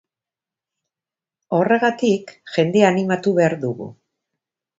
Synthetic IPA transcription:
o̞re̞ɣat̪ikʝe̞nd̪e̞animat̪uβe̞aɾðuɣṵ

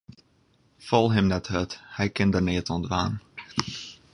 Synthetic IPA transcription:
fɔlˠɦɪmnɛthøthɛjkɪndərnɪətɔndʋaːn

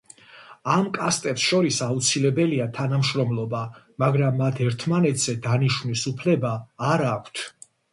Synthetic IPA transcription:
amkʼast̪ʼɛpsʃɔɾisaut̪sʰilɛbɛliat̪ʰanamʃɾɔmlˠɔba | maɡɾamːat̪ʰɛɾt̪ʰmanɛt̪ʰz̥ɛd̪aniʃvnisupʰlɛbaːɾakʷʰt̪ʰ

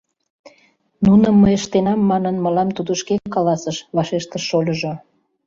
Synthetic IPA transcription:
nunəmːəjəʃt̪enɑmːɑnənməlɑmt̪ud̪əʃkekːɑlɑsəʃβɑʃeʃt̪əʃːolʲəʒo

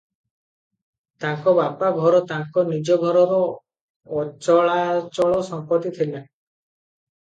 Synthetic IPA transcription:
t̪aŋkɔbapaɡʱɔɾɔt̪aŋkɔnid͡ʒɔɡʱɔɾɔɾɔː | t͡ʃɔɭat͡ʃɔɭɔsɔmpɔt̪it̪ʰila

